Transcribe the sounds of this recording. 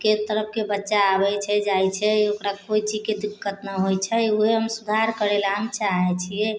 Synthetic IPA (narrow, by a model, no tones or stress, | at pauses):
ket̪əɾəp̚ʰkebətːʃaːβɛt͡ʃʰɛd͡ʒajt͡ʃʰɛokɾakoit͡ʃid͡ʒked̪ikːət̪nəɦojt͡ʃʰɛuɦeɦəmsud̪ʱaɾkəɾelaɦəmt͡ʃaɦɛt͡ʃʰie